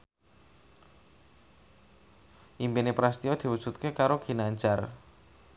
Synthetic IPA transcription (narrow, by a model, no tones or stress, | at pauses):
ʔimpenepɾast̪iod̪̥i̤wud̥ʒ̥ṳt̪̚kekaɾoɡ̥i̤naɲd͡ʒar